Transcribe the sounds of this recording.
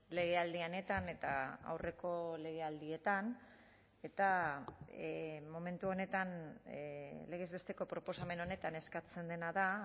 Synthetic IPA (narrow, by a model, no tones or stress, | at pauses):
le̞ɣ̞e̞ald̪iane̞t̪ane̞t̪aa̰wre̞ko̞le̞ɣ̞e̞ald̪ie̞t̪an | e̞t̪a | mo̞me̞nt̪uo̞ne̞t̪an | le̞ɣe̞zβe̞st̪e̞ko̞pɾo̞po̞same̞no̞ne̞t̪ane̞skat͡se̞nd̪e̞naða